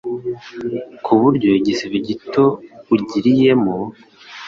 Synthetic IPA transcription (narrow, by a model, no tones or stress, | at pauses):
kʰuβuɾɟo̞iɟisiviɟito̞uɟiɾije̞mo